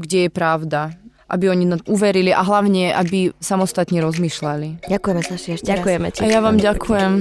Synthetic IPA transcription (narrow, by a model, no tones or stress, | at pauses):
ɡɟɛjɛpɾaʊd̪a | ʔa̰biɔɲiauʋɛɾiliʔaɦlaʊɲɛʔabisamɔst̪at̪ɲɛɾɔzmiːʃlaliɟakujɛmɛzaʃiɛʃakujɛmɛ̰cajaʋaːmɟakʰujɛm